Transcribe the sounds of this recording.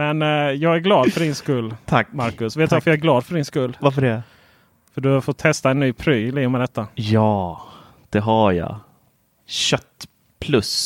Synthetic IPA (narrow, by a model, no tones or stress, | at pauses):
mɛnjɑːɡæɾɡlɑːd̪fœɖɪnskɵlːt̪ʰamaɾkɵsveːt̪d̪vafəɾjɑæɾɡlɑːd̪fœɖɪnskɵlːvaɾfəɖɛ | fœɖɵafott̪ʰɛst̪aɛnːyːpʰɾyːliːʊmɛd̪ɛt̪ʰːajɑː | d̪̥ɛɦajɑ̰ | ɕœt̪ː | pʰlɵs